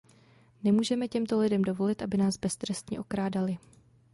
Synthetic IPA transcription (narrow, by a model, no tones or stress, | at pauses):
nɛmuːʒɛmɛcɛmt̪olɪdɛmdo̞vo̞lɪt̪ʔabɪnaːzbɛst̪ɾɛst̪ɲɛ̰ʔo̞kɾaːdalɪ